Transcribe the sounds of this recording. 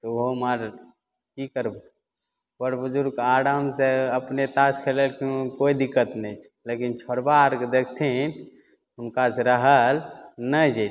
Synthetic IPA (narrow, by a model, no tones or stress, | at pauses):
t̪ɔoɦomaɾ | kikəɾb | pəɾbud͡ʒuɾɡaɽəmseəpnet̪askʰelelkikoid̪ikːət̪nɛt͡ʃʰlekint͡ʃʰɔɾbaɾkd̪ekʰt̪ʰin | ɦʊnkaseɾəɦəlnəd͡ʒe